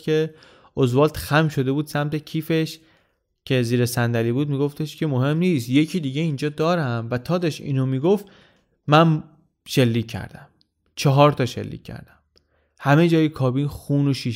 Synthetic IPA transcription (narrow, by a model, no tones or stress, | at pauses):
e̞ | ʔozvɒːlt̪xæmʃo̞d̪e̞buːd̪sæmt̪ʰe̞cʰiːfe̞ʃ | cʰe̞ziːɾesænd̪æliːbuːd̪̚miːɡo̞ft̪e̞ʃcʰe̞moɦe̞mniːst̪je̞cʰiːd̪iːɟeind͡ʒɒːd̪ɒːɾæmvæt̪ʰɒːd̪ɒʃḭːnomiːɡoft̪ | mæn | ʃe̞lːiːcʰːæ̰ɾd̪æm | t͡ʃʰɒɦɒːɾt̪ʰɒːʃḛlːḭcʰːæ̰ɾd̪̥æm | hæme̞d͡ʒɒːjekʰɒːbinxuːnoʃi